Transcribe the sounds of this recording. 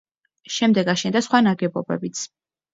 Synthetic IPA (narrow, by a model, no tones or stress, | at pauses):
ʃɛmd̪ɛɡaʃɛnd̪asχwanaɡɛbɔbɛ̰bit̪sʰ